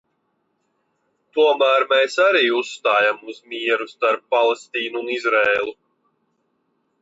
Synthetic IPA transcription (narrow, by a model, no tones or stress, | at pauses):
t̪uɔmæːɾmeːsaɾiːusːt̪aːjamuzmiɛɾust̪aɾpːalˠest̪iːnuːnizɾeːlˠu